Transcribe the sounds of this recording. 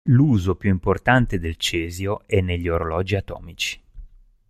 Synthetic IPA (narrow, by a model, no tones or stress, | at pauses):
luːzopjuimport̪ant̪ed̪elt͡ʃɛːzjoɛnːeʎːioɾolɔːd͡ʒiat̪ɔ̰ːmit͡ʃi̥